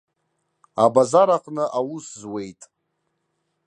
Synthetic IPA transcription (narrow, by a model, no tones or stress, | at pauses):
abazaɾaqʼnɨʔawuszwe̞jtʼ